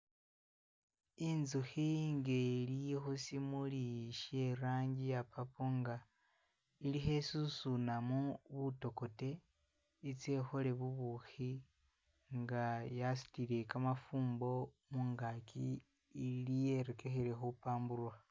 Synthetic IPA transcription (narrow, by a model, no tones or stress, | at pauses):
inzuxiŋɡelijxosimuliʃe̞ɾaːɲɟijapapoŋɡa | ilixe̞susunamuβuto̞ko̞te̞ | it͡se̞xo̞le̞βuβuxi | ŋɡajasi̥tiɾe̞kamafuːmbo̞muŋɡakiː | lijeɾekexeɾe̞xopaːmbuɾwa